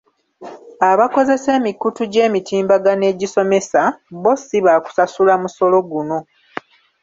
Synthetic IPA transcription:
aβako̞ze̞se̞ːmikːutuɟe̞ːmitiːmbaɡane̞ɟiso̞me̞sabo̞siβaːku̥sasulamuso̞lo̞ɡuno̞

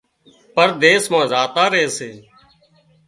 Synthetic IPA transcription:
pəɾd̪eːsmãːzaːt̪aːɾəɦeːseː

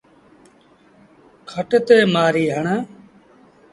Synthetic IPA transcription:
kʰəʈt̪eːmaːɾiːɦəɳaː

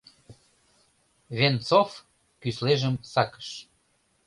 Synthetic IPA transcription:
βent͡sof | kysleʒəmsɑkə̥ʃ

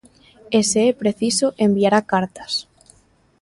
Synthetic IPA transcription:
eseepɾeθisoʔembiaɾakaɾt̪ḁs

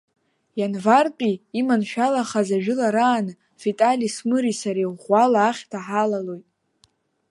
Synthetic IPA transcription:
janvart͡pʼiːmanʃᶣalaχazaʒᶣʊlaɾaːnɨ | fitʼalismɨɾisaɾeʁʷalaːχʲtʰaħalalojtʼ

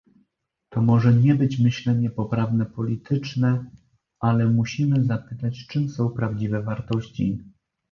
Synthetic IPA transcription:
t̪ɔmɔʐɛɲɛbɘt͡ɕmɘɕlɛɲɛpɔpɾavnɛpɔlʲit̪ʰɘt͡ʂnɛ | alɛmuɕimɘzapɘt̪at͡ɕt͡ʂɘmsɔ̃w̃pɾavd͡ʑivɛvaɾt̪ɔɕt͡ɕḭ

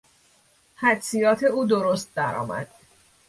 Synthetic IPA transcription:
hæd̪sijɒːt̪ʰe̞uːd̪oɾost̪̚d̪æɾɒ̰ːmæ̰d̪̥

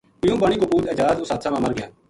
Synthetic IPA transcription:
mɪjũːbaɳ̃iːkopuːd̪əd͡ʒaːzʊsaːt̪sʰãːmãmɐɾɡɪjaː

